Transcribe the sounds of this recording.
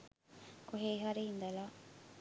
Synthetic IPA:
koɦeːɦaɾeind̪ɐlaː

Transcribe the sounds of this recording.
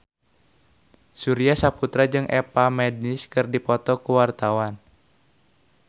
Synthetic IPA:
suɾiasaput̪ɾad͡ʒɨŋʔɛpamɛd̚nɪskɨrdipɔt̪ɔkuwart̪awan

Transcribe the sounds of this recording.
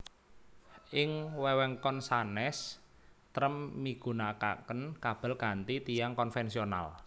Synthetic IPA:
ʔɪŋwɛwɛŋkɔnsanɛs | t̪ɾəmːiɡ̥ṳnaka̰kənkab̥ə̤lɡ̥a̤nt̪it̪ijaŋkɔnfɛnsiona̰l

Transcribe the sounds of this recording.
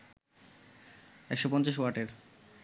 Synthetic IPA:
ɛkʃopɔnt͡ɕaʃwaɾʈeɾ

